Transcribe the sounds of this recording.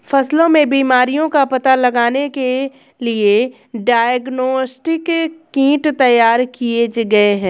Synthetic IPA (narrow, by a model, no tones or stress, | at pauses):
fɐslõmẽbiːmaːɾijõkapɐt̪alɐɡaːneke | lie | ɖaːəɡnoːsʈɪkː | ĩːʈt̪ɐjaːɾkied͡ʒɡɐeɦɛ̃ː